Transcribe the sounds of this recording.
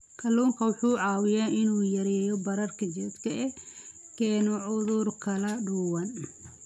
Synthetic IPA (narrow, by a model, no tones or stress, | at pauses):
kʰɐluːŋkʰɐwɑħuːʕɑːwɪjaːʔɪnuːjɐɾɛːjɔbɐɾɐrkʰɐt͡ʃɛd̪kʰɐʔɛ | kʰɛːnɔʕʊðʊrkʰɐlɐɖuːwɐn